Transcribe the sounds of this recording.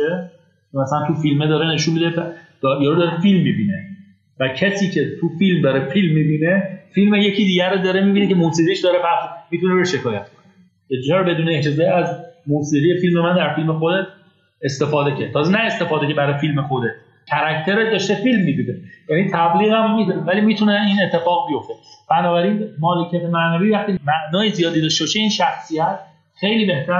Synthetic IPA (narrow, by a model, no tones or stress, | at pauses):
e | mæsælænt̪ʰufilmed̪ɒːɾene̞ʃunmid̪ed̪̥ɒjɒɾud̪ɒːɾefilmːibine | væcʰesiːcʰe̞t̪ʰufilmd̪ɒːɾefilmːibine̞filmejecʰiːd̪iːɟæɾod̪ɒːɾemiːbiːnecemusiːʁiʃd̪ɒːɾepʰæχsmiːt̪ʰunebeʃe̞kʰɒːjæt̪kʰone | jet͡ʃɒːɾbe̞d̪uːneed͡ʒezɒːiæzmusiːʁije̞filmemænd̪æɾfilmexod̪e̞t̪ʰ | e̞st̪e̞fɒːd̪ecʰet̪ʰɒːzenæe̞st̪e̞fɒːd̪ecʰe̞bæɾɒjfilme̞xod̪e̞t̪̚ʰ | cʰæɾæct̪ʰe̞ɾed̪ɒːʃt̪efilmːiːd̪uːnejænit̪ʰæbliːɣæmːid̪vælimiːt̪ʰuneiːnet̪ʰːe̞fɒːɣbijo̞ft̪e̞b̥ænɒːbæɾiːnmɒːlecʰæt̪ʰe̞mæʔnæviːvæχt̪iːmæʔnɒːjizijɒːd̪id̪ɒʃ̬t̪eɒːʃeiːnʃæxsijæt̪ | xe̞jliːbe̞ht̪æɾ